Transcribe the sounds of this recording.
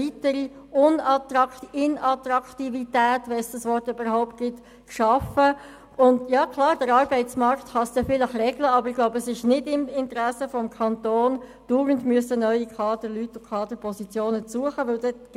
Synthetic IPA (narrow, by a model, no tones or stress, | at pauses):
itəɾiʊnɑtɾɑkɪnɑtɾɑktivitɛːtʋɛnsd̥ɑsʋɔrtybəɾhaʊpt̚ɡ̥ɪt | kʃɑfə | ʊndjɑːkʰlɑːɾd̥əɾɑːɾbɛɪtsmɑɾkt̪χɑsd̥ɛfɪləχrɛɡləɑbəɾɪɡ̥laʊbəəsɪʃnɪdɪmɪntɾæsəfɔmkʰɑntoːnd̥uːɾəndmyəsənœʏikʰɑːd̥əɾlytːʊkʰχɑːd̥əɾpʰɔsit͡sjoːnət͡suəχəʋɪldɛt